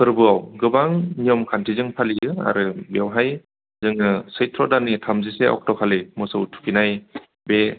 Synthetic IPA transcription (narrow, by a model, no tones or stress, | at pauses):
pʰɯɾbɯawɡɯbaŋnijɔmkʰantʰizɯŋpʰaliɯa̰ɾɯbewɦaj | zɯŋɯsɯjtʰɾɔdanitʰamziseɔ̰k̚tɔkʰalimɔsɯwtʰu̥pʰinaj | be